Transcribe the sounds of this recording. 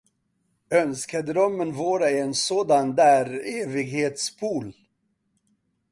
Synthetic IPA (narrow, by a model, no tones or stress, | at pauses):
œnskad̪ɾɔmːənvoːɾaɛɛnsoːd̪and̪æːɾeːvɪɡheːt̪spʰuːl